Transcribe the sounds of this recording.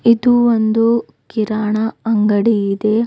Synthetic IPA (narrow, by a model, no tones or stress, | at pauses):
id̪uond̪u | kiɾaːɳɐɐŋɡɐɽiid̪e